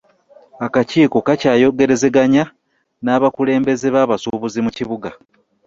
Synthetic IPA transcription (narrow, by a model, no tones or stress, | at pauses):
akaciːko̞kacaːjo̞ɡe̞ɾe̞ze̞ɡaɲa | naːβakule̞ːmbe̞ze̞βaːβasuβuzimuciβuɡa